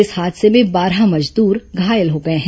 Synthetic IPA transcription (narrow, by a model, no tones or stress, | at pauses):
ɪshaːd̪semẽbaːɾɦamɐd͡ʒd̪uːɾɡʱaːjəlɦoːɡɐeɦɛ̃